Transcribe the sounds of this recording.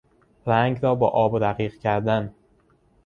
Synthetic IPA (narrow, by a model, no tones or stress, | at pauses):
ɾæŋɡɾɒːbɒ̰ːʔɒːbd̪æɣiːqcʰæɾd̪æn